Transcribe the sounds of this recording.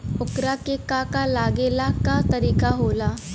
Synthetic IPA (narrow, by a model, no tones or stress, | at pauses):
okɾakekakalaɡelakat̪əɾiːkaɦola